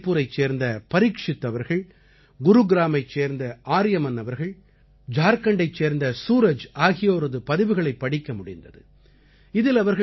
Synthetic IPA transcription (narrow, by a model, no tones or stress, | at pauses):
pːuːɾɐɪt͡ʃːeːɾnd̪ɐpɐɾɪkʂɪt̪ːɐʋɐɾɣɐɭ | ɡʊɾuɡɪɾaːmɐɪt͡ʃːeːɾnd̪ɐʔaːɾɪjɐmɐnːɐʋɐɾɣɐɭ | d͡ʒaːɾkɐɳɖɐɪt͡ʃːeːɾnd̪ɐsuːɾɐd͡ʒaːɣɪjoːɾɐðɯpɐðɪʋɯɣɐɭɐɪpːɐɽɪkːɐmʊɽɪnd̪ɐðɯ | ɪðɪlɐʋɐɾɣɐ